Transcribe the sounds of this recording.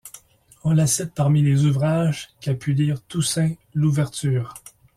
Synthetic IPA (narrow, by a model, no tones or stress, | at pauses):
ɔ̃lasɪt̪̚paʁmilezuvʁaʒkʲiapʰyliːʁt̪usɛ̃luvɛʁt̪yːʁ